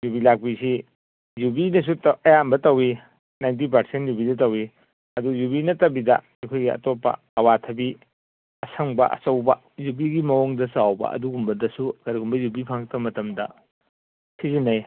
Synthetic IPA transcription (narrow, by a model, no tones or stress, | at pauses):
jubilak̚pisi | jubinɐs̬utɐjambɐtɐwi | najnt̬ip̬ɐɾsentjubidɐtɐwi | ɐdujubinɐtɐbidɐ̰ | ɐjkʰojɡiɐ̰topːɐ̰ | ɐwatʰɐbi | ɐsʰɐŋbɐ̰ʔɐ̰sɐwbɐ | jubiɡimɐoŋdɐsuawbɐ̰ʔɐ̰duɡumbɐdɐsukʰɐɾiɡumbɐjubipʰaŋt̚ɐmɐtɐmdɐ̰ | sizinɐj